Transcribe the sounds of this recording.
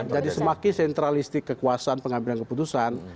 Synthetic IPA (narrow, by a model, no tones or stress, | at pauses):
d͡ʒadisəmakɪsɛnt̪ɾalist̪ɪkːəkuasaanpəŋambilankəput̪usan